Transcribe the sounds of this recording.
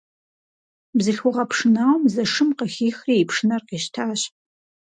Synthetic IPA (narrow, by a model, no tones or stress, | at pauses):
bzɨɬxʷʊʁɐpʂɨnaːwmzɐʂɨmqəxʲiːxriːpʂɨnɐrqiːʃtʰaːɕ